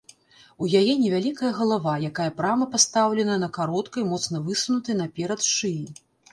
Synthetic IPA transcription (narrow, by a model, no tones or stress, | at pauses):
ujajɛnʲɛvʲalʲikɐjɐɣɐlˠavajakajɐpɾamɐpast̪awlʲɛnɐnɐkaɾɔt̪kɐjmɔt̪sn̪ɐvɨsunut̪ɨjnɐpʲɛɾɐt̪ʂɨji